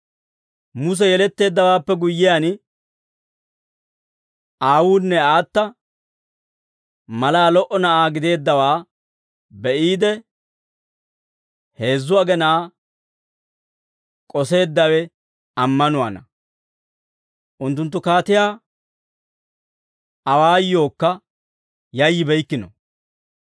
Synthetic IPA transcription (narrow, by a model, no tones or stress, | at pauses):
mʊs̬ɛjɛlɛt̪ːe̞ːd̪ːɐwaːpːɛɡʊjːɪjaːn | ʔaːwuːnːɛaːt̪ːɐ | mɐlaːlɔʔɔnɐʔaːɡɪd̪e̞ːd̪ːɐwaː | bɛʔiːd̪ɛ | he̞ːzːʊɐɡɛnaː | kʼɔse̞ːd̪ːɐwɛ | ɐmːɐnʊwa̰nɐ̰ | ʔʊnt̪ːʊnt̪ːʊkaːt̪ɪjaː | ɐwaːjːo̞ːkːɐ | jɐjːɪbɛjkːɪnɔ̰